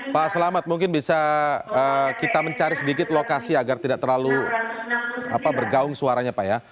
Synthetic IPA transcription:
pasəlamat̪̚muŋk̬ɪnbisaəːkit̪aməɲt͡ʃaɾisədikɪt̪lokasiaɡart̪idaʔt̪ərlalu | a̰pabərɡaʊŋsuaɾaɲapaja

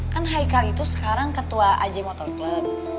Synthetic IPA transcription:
kanɦaikalit̪usə̥kaɾaŋkət̪uaʔa̰d͡ʒɛmɔt̪ɔrklət̪̚

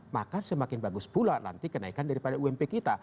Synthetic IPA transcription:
ma̰kasəmakɪnbaɡʊsbulana̰nt̪ikənaikandaɾipadauɛmpekit̪a

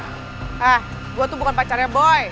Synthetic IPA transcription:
ʔah | ɡuat̪ubukanpat͡ʃaɾjabɔj

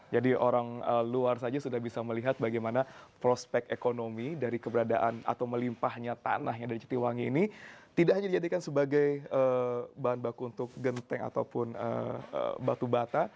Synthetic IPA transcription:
d͡ʒadiʔoɾaŋəluars̬ad͡ʒasudahbisaməliɦat̪̚baɡajmanapɾospɛkekonomidaɾikəbəɾada̰ʔana̰t̪awməlimpahɲat̪a̰naɦɲadaɾit͡ʃə̥t̪iwaŋḭːnit̪idaʔɦaɲadid͡ʒadikansəbaɡajəbaɦanbakuːnt̪ʊk̚ɡənt̪ɛŋa̰t̪awpʊnə̰ə̰bat̪ubat̪a

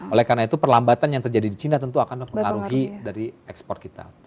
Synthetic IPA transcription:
olɛhkarnait̪upərlambat̪anjaŋt̪ərd͡ʒadidit͡ʃinat̪ənt̪uakanməmpəŋŋaɾuɦidaɾiɛkspɔrt̪kit̪a̰

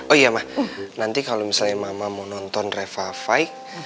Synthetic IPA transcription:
ojamahnant̪ikalomisalɲamamamɔnɔnt̪ɔnrefafaik̚

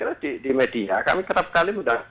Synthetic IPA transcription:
iɾadidimedia̰ka̰mikəɾap̚kalimuda

